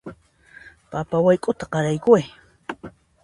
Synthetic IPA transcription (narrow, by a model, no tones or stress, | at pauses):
papawajkʼʊt̪aqɑɾajkʊaj